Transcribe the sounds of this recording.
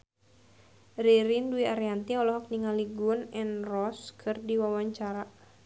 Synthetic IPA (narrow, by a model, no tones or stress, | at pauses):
riɾinduiaɾiant̪iɔlɔɦɔk̚niŋaliɡʊnɛnrɔskʰɨrdiwawaɲt͡ʃaɾa